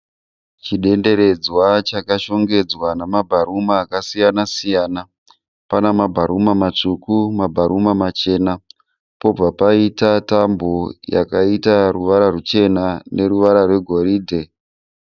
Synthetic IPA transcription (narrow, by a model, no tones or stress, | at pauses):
t͡ʃiɗe̞nde̞ɾe̞d͡zwat͡ʃakaʃo̞ŋɡe̞d͡zwanamabʱaɾumaːkasijanasijaːna | panamabʱaɾumamat͡ʂukumabʱaɾʔumamat͡ʃe̞na | po̞b͡vapaitatamboja̰kaitaruʋaɾarut͡ʃe̞nanʔe̞ɾuʋaɾarwe̞ɡʱo̞ɾiːdʱe̞